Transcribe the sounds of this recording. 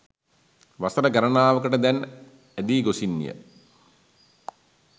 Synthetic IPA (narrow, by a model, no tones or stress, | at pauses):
ʋasəɾəɡɛɾənaːʋəkəʈəd̪æn | æd̪iːɡosinːḭjə̰